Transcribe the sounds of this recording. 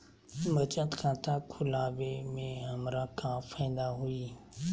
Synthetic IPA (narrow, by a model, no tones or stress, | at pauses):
mɐt͡ʃət̪kʰãːt̪ʰakʰʊlaːʋemẽɦɐmɾakãːfãĩːn̆d̪aɦuiː